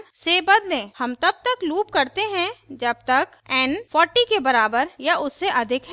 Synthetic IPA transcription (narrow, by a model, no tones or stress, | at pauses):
sebɐd̪lẽːhɐmt̪ɐb̚t̪ɐkluːpkɐɾt̪eɦɛ̃d͡ʒɐb̚t̪ɐk | ɛnfʰɔːɾʈikebɐɾaːbəɾjaʔʊsːeʔɐd̪ʱɪkɦɛ